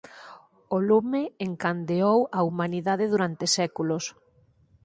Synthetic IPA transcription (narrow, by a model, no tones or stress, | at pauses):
olumeːŋkand̪eowaumaniðaðɪðuɾant̪esɛkulʊs